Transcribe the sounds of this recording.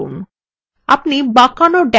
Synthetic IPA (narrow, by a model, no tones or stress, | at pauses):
ṵn | apnibakanoɖɛ